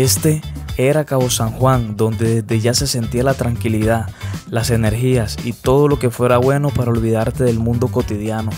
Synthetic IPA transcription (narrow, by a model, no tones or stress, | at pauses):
e̞st̪e̞ | e̞ɾakaβo̞saŋxwaŋd̪o̞nd̪e̞ðe̞zd̪e̞ʝase̞se̞nt̪ialat̪ɾaŋkiliðalase̞ne̞ɾxiasit̪o̞ð̞o̞lo̞ke̞fwe̞ɾaβwe̞no̞paɾao̞lβiðaɾt̪e̞ðe̞lmũnd̪o̞ko̞t̪iðjano̞